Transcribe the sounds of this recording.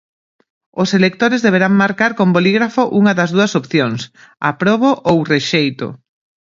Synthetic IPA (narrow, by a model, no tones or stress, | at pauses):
ʊselek̚t̪oɾɪzðeβeɾaŋmaɾkaɾkomboliɣɾafoʔuŋɐðɐzðuɐsopθjoŋs | a̰pɾoβoʔowreʃejt̪ʊ̰